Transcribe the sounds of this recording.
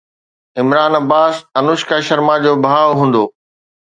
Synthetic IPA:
ɪmɾaːnɐbaːsɐnʊʃkaʃɐɾmad͡ʑoːbʱaːʋɦũːnd̪oː

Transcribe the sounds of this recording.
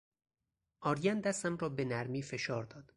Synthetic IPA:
ʔɒːɾjænd̪æst̪æmrɒːbe̞næɾmiːfe̞ʃɒːɾd̪ɒːd̪̥

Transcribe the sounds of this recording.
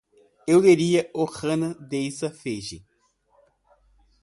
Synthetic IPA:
ewd̪eɾiɐoχɐ̃nɐd̪ejsɐfeʒɪ̰

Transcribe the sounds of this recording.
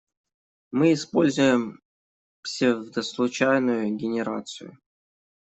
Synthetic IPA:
mɨɪspo̞lʲzʊjɪm | psʲɪvvd̪əslˠʊt͡ɕajnʊjʊɡʲɪnʲɪɾa̰t̪sɨ̰jʊ̰

